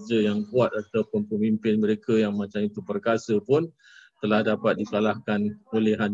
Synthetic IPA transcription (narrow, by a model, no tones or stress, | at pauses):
d͡ʒəjaŋbuat̪̚at̪awpəmpəmimpɪnmə̃ɾekajaŋmãt͡ʃamit̪upərkasəpʊn | t̪əlahdapat̪̚dikalahkanolɛɦan